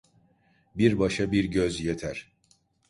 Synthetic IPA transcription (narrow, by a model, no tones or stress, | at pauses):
biɾbaʃabiɾɟøzjet̪ʰæɾ̥